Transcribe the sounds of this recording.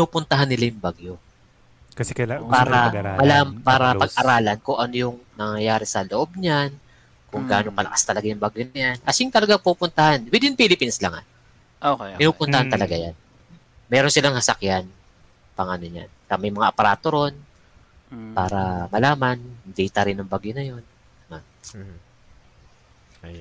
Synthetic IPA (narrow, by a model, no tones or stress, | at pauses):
pɪnuːpʊnt̪ɐɦanːɪlajʊŋbaɡjo | ksɛpaːɾɐmɐlaːmpaːɾɐpɐɡ̚ɐɾaːlɐnkʊŋʔɐnojʊŋnɐŋɐjaːɾɛsɐloʔo̞b̚ɲan | kʊŋɡaːnopɐlɐ̰kḁst̪ɐlɐɡajʊŋbaɡjonɐjanʔɐsɪŋt̪ɐlɐɡaŋpupʊnt̪ɐhanwɪd̪ɪnpiːlɪpinsla̰ŋa̰ | ʔokɪnuːpʊnt̪ɐhant̪ɐlɐɡajan | mɛːɾonsɪlaŋsɐsɐkjan | pɐŋʔɐnoɲa̰nkɐmɐjmɐŋaʔɐpɐɾaːt̪o̞ɾo̞n | paːɾɐmɐlaːmand̪ɛjt̪ɐɾɪnɐŋbaɡjonɐjo̞n | mam